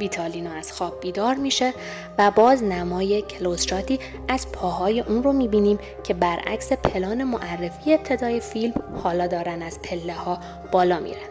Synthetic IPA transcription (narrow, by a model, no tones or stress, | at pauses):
viːt̪ʰɒliːnɒæz̥xɒːb̚biːd̪ɒːɾmiːʃe̞ | væbɒːznæmɒːje̞cʰelosʃɒːt̪ʰiː | æz̥pʰɒːɦɒːje̞ʔuːnro̞miːbiːniːm | cʰe̞bæɾæ̰cse̞pʰe̞lɒːne̞moʔærːe̞fiːjeːp̚t̪ʰe̞d̪ɒːje̞filmhɒːlɒːd̪ɒːɾænæz̥pʰe̞lːe̞hɒː | b̥ɒːlɒːmḭːɾen